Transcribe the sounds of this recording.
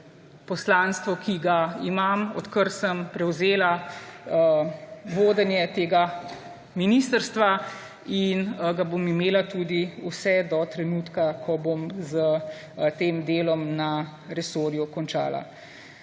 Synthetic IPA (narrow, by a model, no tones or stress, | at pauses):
pɔslanst̪ʋɔkʰiɡaimamɔ̰t̪kəɾsəmpɾɛwzeːla | ʋoːd̪ɛnjɛt̪eːɡa | minist̪əɾst̪ʋa | inɡabomimeːlat̪uːd̪iusɛd̪ɔt̪ɾɛnuːt̪kakʰɔbomzə | t̪eːmd̪eːlɔmnaɾɛsoːɾjukɔnt͡ʃa̰ːla̰